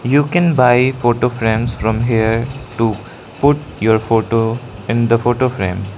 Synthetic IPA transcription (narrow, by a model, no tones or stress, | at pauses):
juːkɛ̃nbaɪfoːʈofɾẽːmsfɾɔ̃mɦiəɾʈu | pʊʈ | juəɾfoːʈoɪ̃nd̪əfoːʈofɾḛ̃ːm